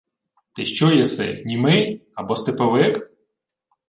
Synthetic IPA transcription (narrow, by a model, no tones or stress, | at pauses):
t̪ɪʃt͡ʃɔjɛsɛ̰nʲimɪjɐbɔst̪ɪpɐʋɪk